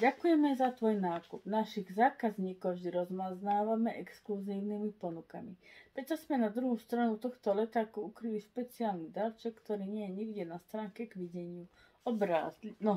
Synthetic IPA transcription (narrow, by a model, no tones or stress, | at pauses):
ɟakujɛmɛzat̪ʋɔjnaːkub̥naʃiɣzaːkazɲiːkɔʊvʒd̪iɾɔzmaznaːʋamɛʔɛkskluziːʊnimipɔnukamipɾɛt͡ʃasmɛnad̪ɾuɦust̪ɾanut̪ɔxt̪ɔlɛt̪aːkuukɾiʋiʃpɛt͡siaːlnid̪alt͡ʃɛkːt̪ɔɾiːɲɪɛjɛɲiɡɟɛnast̪ɾaːŋkɛɡʋiɟɛɲɪu | ɔbɾa̰ːzlnɔ